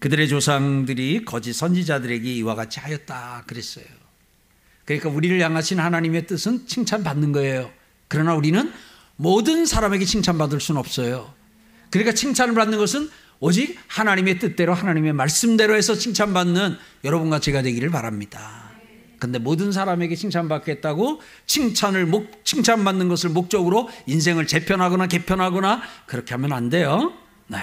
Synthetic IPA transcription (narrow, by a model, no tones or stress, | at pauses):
kɯdɯɾe̞t͡ɕosʰaŋdɯɾikʌd͡ʑisʰʌnd͡ʑid͡ʑadɯɾe̞ɡe̞iwaɡat͡ɕʰihajʌt̚t͈akɯɾe̞s͈ʌ̰jo | kɯɲik͈auɾiɾɯɭjaŋɦaɕʰinhanaɲime̞t͈ɯsʰɯnt͡ɕʰiŋt͡ɕʰanpanːɯnɡʌe̞jo | kɯɾʌnauɾinɯn | modɯnsʰaɾame̞ɡe̞t͡ɕʰiŋt͡ɕʰanbadɯɭs͈unɯnʌp̚s͈ʌjo | kɯɲik͈at͡ɕʰiŋt͡ɕʰanɯɭbanːɯnɡʌsʰɯn | od͡ʑik̚hanaɲime̞t͈ɯt̚t͈e̞ɾoɦanaɲime̞maɭs͈ɯmde̞ɾoɦe̞sʰʌt͡ɕʰiŋt͡ɕʰanbanːɯnjʌɾʌbunɡat͡ɕe̞ɡadwe̞ɡiɾɯɭpaɾamɲid̥a | kɯnde̞modɯns̬ʰaɾame̞ɡe̞t͡ɕʰiŋt͡ɕʰanbakʰet̚t͈aɡo | t͡ɕʰiŋt͡ɕʰanɯɭmok̚t͡ɕʰiŋt͡ɕʰanbanːɯnɡʌsʰɯɭmok̚t͡ɕ͈ʌɡɯɾoins̬ʰe̞ŋɯɭt͡ɕe̞pʰjʌnɦaɡʌnake̞pʰjʌnɦaɡʌnakɯɾʌkʰe̞ɦamjʌnande̞jo | ne